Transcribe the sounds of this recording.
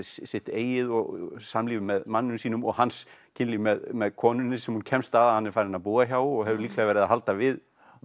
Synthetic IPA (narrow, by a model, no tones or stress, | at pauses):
ssɪht̪eːjɪðɔɣsamliːvɪmɛðmanːʏmsiːnʏmɔɣhanscʰɪnlimɛðmɛðkʰɔːnʏnːɪsɛmhuncʰɛmst̪aðahanːɛɾfajɾɪnaðpuːɣaçawɔɣɦɛvðʏɾliːklɛːɣavɛːɾɪðaɦalt̪avɪð